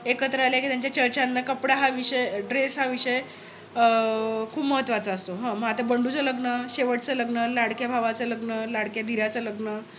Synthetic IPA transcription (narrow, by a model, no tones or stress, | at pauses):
ekət̪ɾəaljakit̪jaɲt͡ɕjat͡ɕəɾt͡ɕanːakəpɽaɦaʋiʂəeɖɾesɦaʋiʂəje | kʰuːpməɦət̪ːʋat͡səːst̪oɦãməɦat̪ebəɳɖut͡sələɡnəɕeʋəʈt͡sələɡnəlaɽkjabʱaʋat͡sələɡnəlaɽkjad̪ʱiɾat͡sələɡnə